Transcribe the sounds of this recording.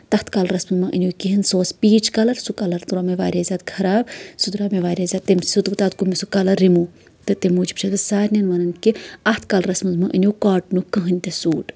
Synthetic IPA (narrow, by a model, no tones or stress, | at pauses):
t̪ɐht̪ʰkɐlɾɐsmɨzmɐʔɨ̰nʲoːkiɦinsoːspiːt͡ʃkɐlɐɾsukɐlɐɾt̪uɾaːmeʋaːɾʲaːzʲaːt̪kʰɐɾaːbsud̪uɾaːmeʋaːɾʲjaːzʲaːt̪̚ːemsut̪bt̪aːt̪̚kumʲesukɐlɐɾːimuː | t̪ɨt̪emuːd͡ʒi̥pt͡ʃʰɐt̪ɐsaːɾʲnʲɐnʋɐnɐnkiɐht̪ʰkɐlɾɐsmɨnzmɐʔɨnʲoːkaːʈnukəɦɨnʲt̪ʲɐsuːʈ